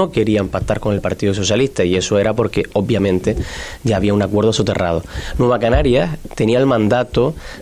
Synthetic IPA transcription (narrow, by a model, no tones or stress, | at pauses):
o̞ke̞ɾiampak̚t̪aɾko̞ne̞lpaɾt̪iðoso̞s̬jaliht̪aie̞soe̞ɾapo̞ɾke̞o̞bbjamẽnt̪e̞ɟ͡ʝaːβ̞iaunakwe̞ɾð̞osot̪e̞ra̰ð̞o̞nwe̞βakanaɾjast̪e̞niaelmãnd̪at̪o